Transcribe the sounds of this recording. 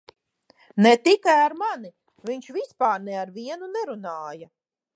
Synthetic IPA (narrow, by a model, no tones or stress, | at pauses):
nɛt̪ikajaɾmani | viɲʃvispaːɾnɛaɾviɛnunɛɾunaːja